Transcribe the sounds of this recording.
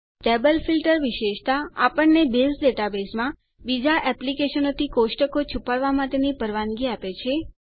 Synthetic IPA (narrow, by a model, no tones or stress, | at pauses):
ʈebəlfilʈəɾʋiʃeʃt̪aapəɳnebesɖeʈabesmã | bid͡ʒaʔɛplikeʃənot̪ʰikoʃʈəkot͡ʃʰupaɭʋamãt̪enipəɾʋanɡiapet͡ʃʰe